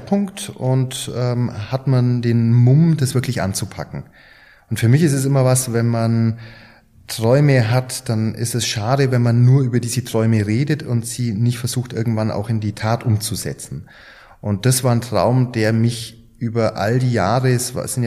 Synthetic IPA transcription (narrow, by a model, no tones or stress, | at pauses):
pʰʊŋktʊntʔɛːmhatmandeːnmʊmdasv̥ɪɐklɪçʔa̰nt͡supʰa̰kŋ̩ | ʔʊntfyːɐmɪçɪstɛs̬ɪmɐvasvɛnman | tʁ̥ɔʏməɦatd̥anʔɪ̰stɛsʃaːɾəvɛnmanːuːɐʔyːbɐdiːzətʁ̥ɔʏməʁeːdətʰʊntz̥iːnɪçtfɛɐz̥uːxtʔɪɐɡŋ̩tv̥anʔa̰ʊxɪndiːtʰaːtʔʊmt͡suzɛ̰t͡sn̩ | ʔʊnt̚d̥asv̥aːɐntʁ̥a̰ʊmdeːɐmɪç | ʔyːbɐʔa̰ldiːjaːʁəsva̰sɪn